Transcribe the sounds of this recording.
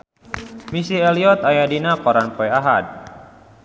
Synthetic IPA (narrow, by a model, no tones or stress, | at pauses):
misiɛliɔt̪ajadinakɔɾanpɔɛaɦa̰d̚